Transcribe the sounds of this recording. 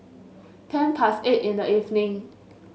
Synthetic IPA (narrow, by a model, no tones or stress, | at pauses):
tʰɛ̃npʰasetĩndəivnĩŋ